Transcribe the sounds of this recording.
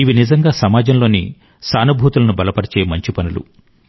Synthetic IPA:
iʋinizɐŋɡaːsɐmaːd͡ʒɐmlo̞ːnḭ | saːnubʱuːt̪ulɐnubɐlɐpɐɽɐt͡ʃeːmɐɲt͡ʃipɐnulṵ

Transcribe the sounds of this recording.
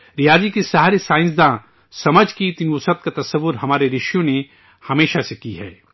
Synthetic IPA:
ɾɪjaːd͡ʒikisɐɦaɾesaːɪ̃ns̬d̪ãː | sɐməd͡ʒʱkit̪ɪnʊsət̪̚kat̪ɐsəʋːʊɾɦɐmaːɾeɾɪʃjõne | hɐmeːʃasekiɦɛ̰ː

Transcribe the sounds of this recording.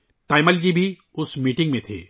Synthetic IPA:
t̪aːjməld͡ʑibʱi | ʊsmiʈɪ̃ŋɡmẽt̪ʰḛː

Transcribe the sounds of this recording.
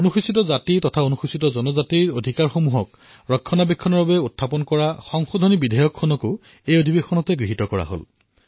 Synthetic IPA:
onuxusitɔzatitɔtʰaonuxusitɔzɔnɔzatiɹodʱikaɹxomuɦɔk̚ | ɹɔkʰːɔnabɛkʰːɔnɔɹbabɛutʰːapɔnkɔɹaxɔŋxodʱonibidʱajɔkʰːɔnɔko | ejodʱibexɔnɔtɛɡɹiɦitɔkɔɹa̰ɦo̰l

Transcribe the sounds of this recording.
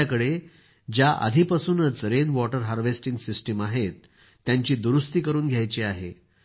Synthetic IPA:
akəɽe | d͡ʑjaʔa̰d̪ʱipəsuːnət͡sɾenʋɔʈəɾɦaɾʋesʈiŋɡsisʈəmaɦet̪ː | jaɲt͡ɕiːd̪uɾust̪iːkəɾuːnɡʱjajt͡ɕiaɦḛ

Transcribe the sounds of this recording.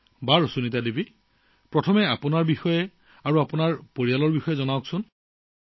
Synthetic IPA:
baɹosunitadibi | pɹɔtʰɔmɛapʊnaɹbixɔjɛ | aɹuapunaɹpoɹijalɔɹbixɔjɛzɔnawksʊn

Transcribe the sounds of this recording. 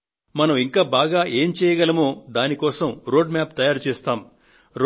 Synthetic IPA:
mɐnɐmiŋkaːbaːɡaːʔe̞ːmt͡ʃɛːjɐɡɐlɐmoːd̪aːnikɔːsɐmɾoːɖmʲjaːpt̪ɐjaːɾut͡ʃɛːst̪aːm | ɾ

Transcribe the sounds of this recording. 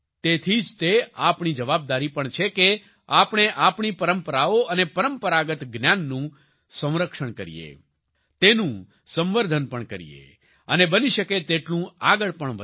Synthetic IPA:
t̪et̪ʰid͡ʒt̪eapɳid͡ʒəʋab̚d̪aɾipəɳt͡ʃʰeke | apɳ̃eʔapɳ̃ipəɾəmpəɾaoənepəɾəmpəɾaɡət̪ɡnjanːũ | sə̃w̃ɾəkʃəɳkəɾḭjḛ | t̪enũ | sə̃mʋəɾd̪ʱənpəɳkəɾḭjḛ | ə̰nebəniʃəket̪eʈlũaɡəɭpəɳʋə

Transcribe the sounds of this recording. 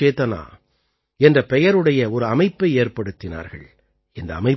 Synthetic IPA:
eːt̪ɐna̰ː | ɛndrɐpɛjɐɾɯɽɐjɐɔɾɯɐmɐɪpːɐɪeːrpɐɽɯt̪ːɪna̰ːɾɣɐ̰ɭ | ɪnd̪ɐːmɐɪ

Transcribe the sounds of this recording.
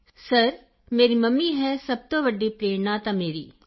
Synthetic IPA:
səɾ | meːɾiːməmːiːɦɛːsəb̚t̪õːʋəɖːiːpɾeːnãːt̪ãːmeːɾiː

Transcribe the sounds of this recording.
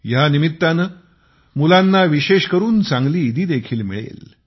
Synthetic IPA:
janimit̪ːanə | mulanːaʋiɕeɕkəɾuːnt͡sãŋɡliːd̪iːd̪ekʰiːlmḭɭḛl

